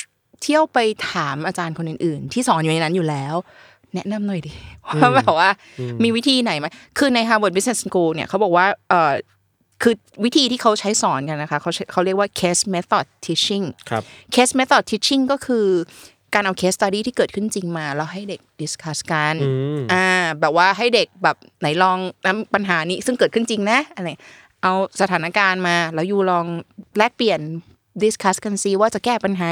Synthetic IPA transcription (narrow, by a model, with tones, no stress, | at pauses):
t̪ʰi˥˩əwpa˧jt̪ʰaː˩˦mʔaː˧t͡ɕaː˧nkʰo˧nʔɯː˨˩nʔɯː˨˩nt̪ʰiː˥˩sɔː˩˦njuː˨na˧jna˦˥njuː˨˩lɛː˦˥w | nɛ˦˥ʔna˧mnɔ˨˩jdiː˨˩waː˥˩bɛː˨˩p̚waː˥˩ | miː˧wi˦˥t̪ʰiː˧na˨˩˦jma˦˥jkʰɯː˧na˧jt̪ʰaː˧bo˨˩bi˦˥ne˨˩skuː˧ni˥ɐkʰa˦˥wbɔː˨˩k̚waː˥˩ʔɤː˨˩ | kʰɯː˧ | wi˦˥t̪ʰiː˧t̪ʰiː˥˩kʰa˦˥wt͡ɕʰa˦˥jsɔː˩˦nka˧nːa˦˥kʰa˦˥kʰa˦˥wt͡ɕʰa˦˥kʰa˦˥wɾli˥˩əkwaː˥˩kʰeː˦˥sme˦˥t̪ɔ˨˩t̪ʰːi˦˥t͡ɕi˥˩ŋkʰa˦kʰe˦˥sme˦˥t̪ʰɔː˨˩t̪ʰːi˦˥t͡ɕʰi˥˩ŋkɔː˥˩kʰɯː˧ | kaː˧nʔa˧wkʰeː˦˥st̪a˧diː˥˩t̪ʰiː˥˩kɤː˨˩t̚kʰɯ˥˩nt͡ɕi˧ŋmaː˧lɛː˧˥wɦa˥˩jde˨˩k̚di˨˦˥skʰa˦˥ska˧nʔaː˧˩bɛː˨˩p̚waː˥˩ɦa˥˩jde˨˩k̚bɛː˨˩p̚na˩˦jlɔː˧ŋna˦˥mpa˧nɦaː˩˦niː˦˥sɯ˥˩ŋkɤː˨t̪̚kʰɯ˥˩nt͡ɕi˧ŋna˦˥ʔa˧na˧ja˨˩ | ʔa˧wsa˧t̪ʰaː˩˦na˦˥kaː˧nmaː˧lɛː˦˥wjuː˨˩lɔː˧ŋlɛː˥˩k̚pli˨˩ən | di˧˥skʰa˦˥ska˧nsiː˧waː˥˩t͡ɕa˨˩kɛː˥˩pa˧nɦaː˩˦